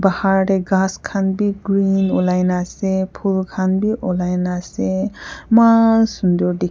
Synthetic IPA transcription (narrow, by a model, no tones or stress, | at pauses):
bahaɹɾeɡãskʰanbiɡɹinɔlajnasepʰulkʰanbiʔɔlajnasemansund̪ɔɾdi